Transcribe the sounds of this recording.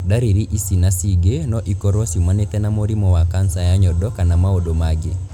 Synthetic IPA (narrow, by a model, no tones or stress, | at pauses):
daɾeɾiʔisinasiɡenɔʔikɔɾɔsimwanet̪ɛnamoɾimɔwakansajaɲɔdɔkanamaodomaɡe